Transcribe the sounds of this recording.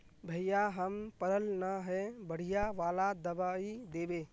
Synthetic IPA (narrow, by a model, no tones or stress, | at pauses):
bʱəɪjaɦəmpəɾəlnaɦɛbəɽ̤ijaʋaːlad̪əbaːid̪eːbeː